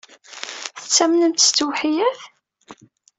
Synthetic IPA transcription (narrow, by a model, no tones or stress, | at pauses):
θət͡sːæmnəmt̪t͡sːwħijæθ